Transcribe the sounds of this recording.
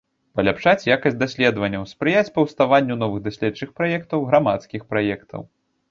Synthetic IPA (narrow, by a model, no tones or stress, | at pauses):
pɐlʲapʂat͡sʲjakɐsʲtʲd̪asʲlʲɛd̪vɐnʲːɐwspɾɨjat͡sʲpɐwst̪avanʲːun̪ɔvɨɣd̪asʲlʲɛtt͡ʂɨxpɾajɛkt̪ɐwɣɾamat̪skʲixpɾajɛkt̪ʰɐ̰w